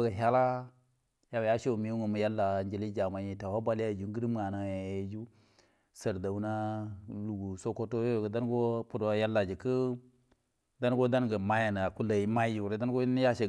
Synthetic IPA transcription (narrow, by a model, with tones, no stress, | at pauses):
ɡa˨ɦa˦la˦ | ja˨wa˨ja˦ʃo˦˨mi˨˦ŋu˨mu˨ja˦lːa˨nd͡ʒe˨li˦d͡ʒa˨ma˨ji˨ta˨wa˦ba˦li˦ja˦˨d͡ʒu˨˦ɡi˦ɾi˦m˦ŋa˨na˨ja˨ja˨jd͡ʒu˦ | sə˨ɾda˨wu˦na˦lu˨ɡu˨so˦ko˦to˦jo˦jɡa˨da˦nɡo˦pu˦˨do˨˦ja˦lːa˨d͡ʒi˨kə˦ | da˦n˦ɡo˦da˦nɡa˨ma˦ja˨na˨a˨ku˦la˨ji˨˦ma˦ju˨ɾe˦da˦n˦ɡo˦ja˦ʃe˨